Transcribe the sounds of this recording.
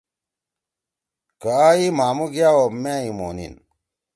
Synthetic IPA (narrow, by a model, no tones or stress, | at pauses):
kaimaːmuɡjaːwoːmeːimo̰ːnḭn